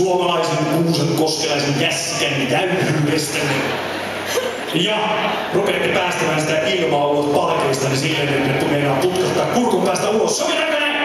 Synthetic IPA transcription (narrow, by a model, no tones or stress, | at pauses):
uomɑlɑiseŋuːseŋkoskelɑiseŋkæsːikænint̪æyt̪yːpest̪æn | jɑ | rupet̪ːipæːst̪æmæːnsit̪æʔilʋɑːolot̪pɑlkeːst̪ɑnisilːenenːet̪ːumenɑːput̪kɑst̪ːɑːkkurkompæːst̪æulosːokenæmene